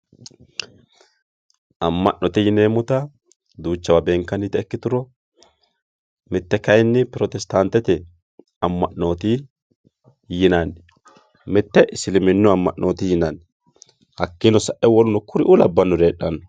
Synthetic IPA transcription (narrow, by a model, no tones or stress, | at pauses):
ɐmːɐ̰ʔnɔt̪ɪjɪneːmʊt̪ɐ | d̪uːt͡ʃːɐwabeːŋkːɐnɪt̪ɛɛkːɪt̪ʊɾɔ | mɪt̪ːɛkɐjnːɪpɪɾɔt̪ɛst̪ant̪ːɛt̪ɛ | ɐmːɐʔno̞ːt̪ɪ | jɪnɐn | mɪt̪ːɛʔɪsɪlɪmɪnːʊɐmːɐ̰ʔno̞ːt̪ɪjɪnɐn | hɐkːɪnɔsɐʔɛwɔlʊnɔkʰʊɾɪʔʊlɐbːɐnːʊɾeːɗːɐnːɔ